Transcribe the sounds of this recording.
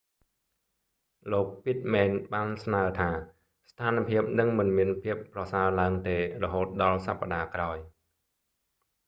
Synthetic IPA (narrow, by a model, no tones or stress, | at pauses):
loːk̚pit̪̚mɛːnɓaːnsnaət̪ʰaː | st̪ʰaːnpʰiəp̚nɨŋmɨnmiənpʰiəpːrɑsaəlaəŋt̪eːrɔɦoːt̪̚ɗɑlsapːaɗaːkraɔj